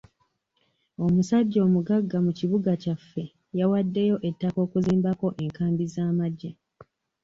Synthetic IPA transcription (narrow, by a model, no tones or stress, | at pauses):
o̞musaɟːo̞ːmuɡaɡːamuciβuɡacafːe̞ | jawadːe̞jo̞ʔe̞tːako̞ːkuziːmbako̞ʔe̞ŋkaːmbizaːmaɟːe